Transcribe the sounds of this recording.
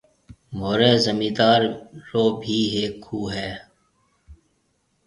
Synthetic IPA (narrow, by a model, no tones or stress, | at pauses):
moːɾeːzəmiːd̪aːɾɾoːbʱiːɦeːkʰːuːɦɛː